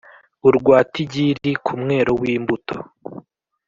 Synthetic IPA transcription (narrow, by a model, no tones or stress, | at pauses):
uɾɡwaːtiɟiɾikʰumŋeːɾo̞wiːmbutʰo̥